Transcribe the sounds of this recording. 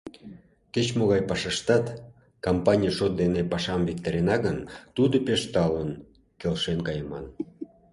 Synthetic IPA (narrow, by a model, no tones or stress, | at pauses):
ket͡ɕmoɣɑjpɑʃəʃt̪ɑt̪ | kompɑnʲijʃot̪̚d̪enepɑʃɑmvik̚t̪eɾenɑɣənt̪ud̪opeʃt̪ɑlən | kelʃenkɑjəmɑ̰n